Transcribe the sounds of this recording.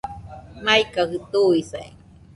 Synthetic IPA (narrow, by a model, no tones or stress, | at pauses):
maikahɯt̪uisaḭ